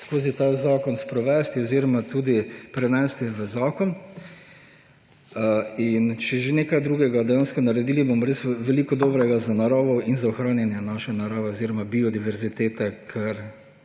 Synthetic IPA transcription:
skoːzit̪azaːkɔnspɾɔʋɛst̪iɔziːɾɔmat̪uːd̪ipɾɛnɛst̪iʋəzaːkɔn | int͡ʃɛʒenekajd̪ɾuːɡɛɡad̪ɛjanskɔnaɾɛd̪iːlibomɔɾesʋɛliːkɔd̪oːbɾɛɡazanaɾaːʋɔinzaɔxɾaːnjɛnjɛnaʃɛnaɾaːʋɛɔziːɾɔmabiɔd̪iʋɛɾzit̪eːt̪ɛkʰɐɾ

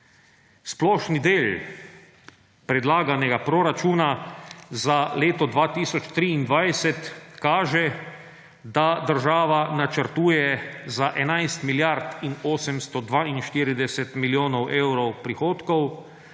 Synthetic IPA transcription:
splɔːʃnid̪eːl | pɾɛd̪laːɡanɛɡapɾɔɾat͡ʃuːnazaleːt̪ɔd̪ʋaːt̪iːsɔt͡ʃt̪ɾiːnd̪ʋajsɛt̪kaːʒɛ | d̪ad̪əɾʒaːʋanat͡ʃəɾt̪uːjɛzaʔɛnajst̪miljaɾt̪inoːsɛmst̪ɔd̪ʋaːinʃt̪iːɾid̪ɛsɛt̪miljoːnɔwʔeːwɾɔwpɾixoːt̪kɔw

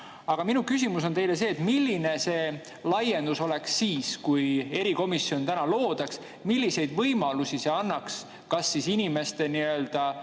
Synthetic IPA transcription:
ɑɡ̥ɑminukys̬ʲimus̬o̞nt̪e̞jle̞se̞ːt̪ˑmilːine̞se̞ː | lɑje̞nd̪̥uso̞le̞ksːiːskuje̞ɾiko̞misːio̞nt̪ænɑlo̞ːd̪̥ɑks | milʲːise̞jd̪vɤjmɑlusiseɑnːɑks | kɑsːisinime̞st̪e̞niøld̪̥ɑ

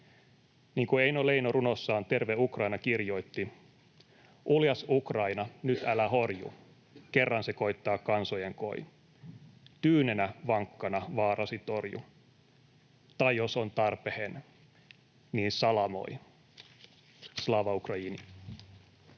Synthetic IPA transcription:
niːŋkueinole̞jnorunosːɑːnt̪e̞rʋeukrɑinɑkirjo̞it̪ːi | ʔuljɑsukrɑinɑnyt̪ælæɦo̞rjṵ | kerːɑnseko̞it̪ːɑːkɑnso̞jeŋko̞̰i | t̪yːnenæʋɑŋkːɑnɑʋɑːrɑsit̪o̞rjṵ | t̪ɑjjo̞so̞nt̪ɑrpehen | niːnsɑlɑmo̞̰j | slɑːʋɑukrɑiːni

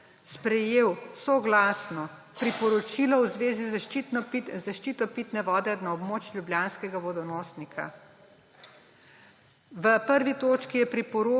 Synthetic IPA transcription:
spɾɛjeːwsɔɡlaːsnɔpɾipɔɾɔt͡ʃiːlɔwzʋeːziz | zaʃt͡ʃiːt̪ɔpit̪nɛʋɔːd̪ɛnaɔbmoːt͡ʃlʲjubljaːnskɛɡaʋɔd̪ɔnɔːsnikʰa̰ | ʋəpəɾʋit̪oːt͡ʃkijɛpɾipɔɾo

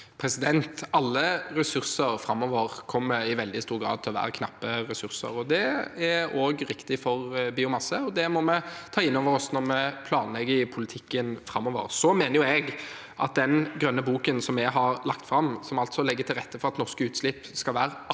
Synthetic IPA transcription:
pʰɾɛsɪd̪ɛnt̪ɑlːəɾɛsʉɾsəɾfɾɑmːɔʋəʁkʰɔmːəɪʋɛld̪ɪst̪uːɾɡɾɑ̰ːd̪t̪ʰɪlɔʋæ̰ːɾəkʰnɑ̰pːəɾɛsʉɾsə̰ɾɔd̪ɛæoːɡɾɪkt̪ɪfɔɾbɪːʊmɑsəɔd̪ɛmɔmɛt̪ʰɑːɪnːɔʋəɾɔsnɔɾmɛpʰlɑːnlɛɡəpʰʊlɪt̪ʰɪkːənfɾɑmːɔʋə̰ɾsɔmeːnəjʊɛɡ | ʔɑ̰t̪̚d̪ɛnɡɾœnːəbuːkənsɔmɛɡɦɑɾlɑkt̪fɾɑmːsɔmɑlt̪sɔlɛɡːət̪ʰɪlʁɛt̪ːəfɔɾɑt̪nɔʁskəʉːt̪slɪpːskɑlʋæːɾə

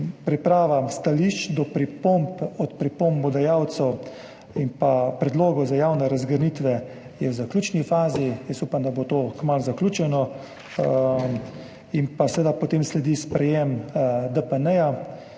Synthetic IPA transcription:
pɾipɾaːʋast̪aliʃt͡ʃd̪ɔpɾipompɔt̪pɾipombɔd̪ajaːwt̪sɛw | impapɾɛd̪loːɡɔzajawnɛɾazɡəɾnit̪ʋɛ | jɛwzaklʲuːt͡ʃnifaːzijɛsupamd̪abot̪oːkmalzaklʲuːt͡ʃɛnɔ | impasɛʋeːd̪apɔt̪eːmslɛd̪ispɾɛjemd̪əpənɛja

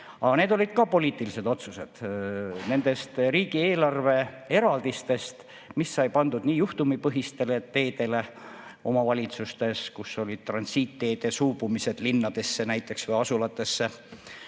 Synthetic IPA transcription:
ɑne̞ːd̪o̞lʲid̪̥̚kɑpo̞liːt̪ːˑilise̞d̪o̞t̪suse̞d̪̥ne̞nd̪̥e̞st̪riːɡ̥ie̞ːlɑrve̞ | e̞ɾɑld̪̥ist̪e̞st̪ | misːɑjpɑnd̪ud̪niːjuht̪umipɤɦist̪e̞let̪ːe̞ːd̪e̞le̞ʔo̞mɑvɑlʲit̪sust̪e̞skusːo̞lʲid̪̥̚t̪rɑnsiːt̪ːe̞ːd̪̥e̞suːbumise̞d̪̥linːɑd̪̥e̞sːe̞næjt̪ːˑe̞ksvɤjɑsulɑt̪ˑːe̞sːe̞

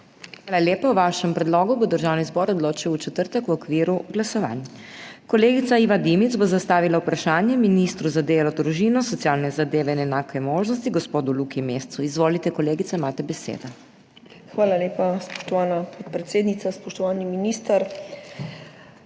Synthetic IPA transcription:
xxʋaːlaljeːpawʋaːʃɛmpɾɛd̪loːɡubod̪əɾʒaːwnizbɔːɾɔd̪loːt͡ʃiwut͡ʃɛt̪əɾt̪əkwɔkʋiːɾuɡlasɔʋa̰n | kɔleːɡit̪saiːʋad̪imit̪zbozast̪aːʋilaupɾaʃaːnjɛminist̪ɾuzad̪eːlɔd̪ɾuʒiːnɔsɔt̪sjaːlnɛzad̪eːʋɛinɛnaːkɛmoːʒnɔst̪iɡɔspoːd̪ulukimeːst̪suizʋoːlit̪ɛkɔleːɡit̪aimaːt̪ɛbɛsḛːd̪ɔ | xʋaːlaleːpaspɔ̥ʃt̪ɔʋaːnapʰɔt̪̚pɾɛt̪seːd̪nit̪aspɔʃt̪ɔʋaːniminist̪aɾ

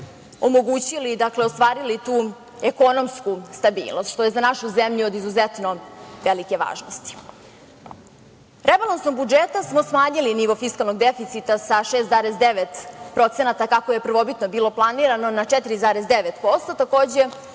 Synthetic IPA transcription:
o̞mo̞ɡuːt͡ɕilid̪akleost̪ʋaːɾilit̪uː | e̞ko̞no̞mskust̪abḭːlno̞st̪ʃt̪o̞jezanaʃuzemʎuod̪izuzet̪no̞ʋelike̞ʋa̰ːʒnost̪i̥ | ɾʔebalˠansnoɡ̚bud͡ʒet̪asmo̞smaːɲiliniʋo̞fiskalˠno̞ɡd̪efit̪sit̪asaʃest̪zaːɾesd̪eʋet̪pɾo̞t̪senat̪akakojepr̩ʋo̞bit̪no̞biːlˠo̞plˠaniɾano̞naʈ͡ʂɛt̪iɾizaːɾesd̪eʋet̪po̞st̪ot̪ako̞ːd͡ʑe̞

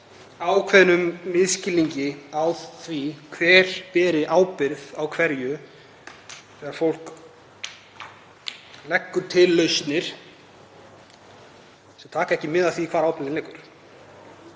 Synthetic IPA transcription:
aːwkʰvɛðnʏmːɪðscɪlːiɲcɪawðθvikʰvɛːɾ̥pɛːɾɪʔaːwpɪɾðawkʰvɛɾjʏ | θɛɣaɾfowl̥k | lɛkːʏɾ̥t̪ʰɪlːœɥst̪nɪɾ̥ | sɛmt̪ʰaːkaɛhcɪmɪðaθvikʰv̥aːɾawpɪɾlɪnlejkʏɾ̥

